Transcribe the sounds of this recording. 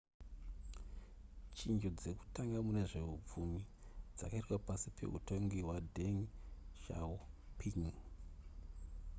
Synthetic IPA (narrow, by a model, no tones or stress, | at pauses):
t͡ʃind͡ʒo̞d͡ze̞ku̥taŋɡamune̞ʐe̞up͡fumid͡za̰kaitwapasipʰe̞̰ṵto̞ŋɡiɦwadʱeŋʃa̰upʰiŋ